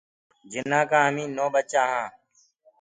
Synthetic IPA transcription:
d͡ʒɪnãːkãːəmĩːnoːbət͡ʃaːɦãː

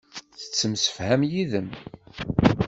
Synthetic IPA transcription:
θə̥t͡sːəmsə̥fhæmjiðəm

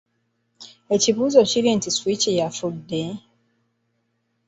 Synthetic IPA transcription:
e̞ciβuːzo̞ciɾintiswicijafudːe

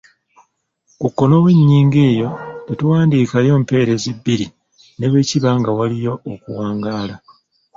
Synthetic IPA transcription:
kukːo̞no̞βweɲːiːŋɡe̞ːjo̞tetuwaːndiːkajo̞ːmpe̞ːɾe̞zibːiɾi | ne̞βe̞ːciβaŋɡawalijo̞ːkuwaːŋɡaːla

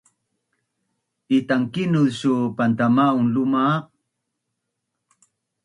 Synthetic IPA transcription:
itaŋkinuðɕupantamaunluma

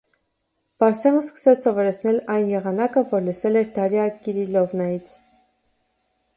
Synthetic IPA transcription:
v̥ɑɾsɑʁəskə̥sɛt͡sʰsɔvɔɾɛt͡sʰnɛlɑjnjɛʁɑnɑkəvɔɾləsɛlɛɾd̪ɑɾjɑkiɾilɔvnɑjit͡sʰ

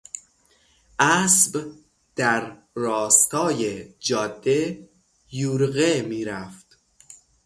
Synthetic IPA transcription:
ʔæsb | d̪̥æɾː | ɒːst̪ʰɒːjed͡ʒɒːd̪ːe | juːɾɣemiːɾæft̪

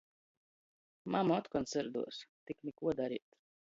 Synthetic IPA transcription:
mamaɔt̪kɔnt̪sɛɾd̪ṵɔst̪ikmikuɔd̪aɾḭːt̪

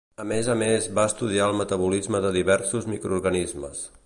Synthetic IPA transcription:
əmezəmezβaəst̪uð̞iaəlˠmət̪əβ̞ulizməðəðiβɛɾsuzmikɾuːɾɣənizmə̰s

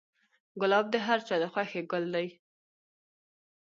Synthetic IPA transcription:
ɡʊlɑb̚d̪əɦaɾt͡ʃɑd̪əxwaxeɡʊld̪aj

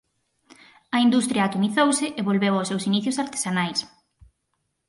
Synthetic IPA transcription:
ɐind̪ust̪ɾjɐːt̪uniθowsɪʔeβolβewawsewsiniθjʊsaɾt̪e̥sanajs

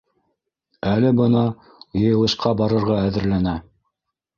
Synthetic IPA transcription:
ælɘbɤ̆nɑ | jɤ̆jɤ̆lˠɤ̆ʃqɑbɑɾɤ̆ɾʁɑæðɘ̆ɾlænæ

